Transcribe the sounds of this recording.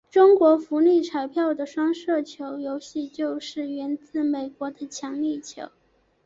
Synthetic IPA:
ʈ͡ʂʊ˥ŋkwɔ˧˥fu˧˥li˥˩ʈ͡ʂʰa˨˩ɪpʰjɑ˥˩ʊd̪ə˩ʂwɑ˥ŋʂɤ˥˩t͡ɕʰjo˧˥ʊjo˧˥ʊɕi˥˧t͡ɕjo˥˧ʊʂɻ̩˥˩ɥɛ˧˥nt͡sɹ̩˥˩me˨˩ɪkwɔ˧˥d̪ə˧t͡ɕʰjɑ˧˥ŋli˥˩t͡ɕʰjo̰˧˥˦ʊ

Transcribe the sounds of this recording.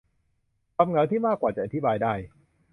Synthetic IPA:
ka˧mŋa˧˥wt̪ʰiː˥˩maː˥˩kːwaː˨˩t͡ɕa˨˩ʔa˧t̪ʰi˦˥baː˧jdaː˥˩j

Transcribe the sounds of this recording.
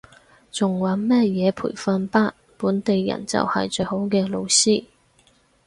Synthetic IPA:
t͡sʊ˨ŋwɐ˨˥nmɛː˥jɛː˨˧pʰṵː˨˩jfɐ˧npaː˥t̚puː˨˥nt̪e˨jːɐ̰˨˩nt͡sɐ̰˨whɐ̰˨jt͡ʃɵ˧jho˨˥wkɛː˧lo˧wsiː˥

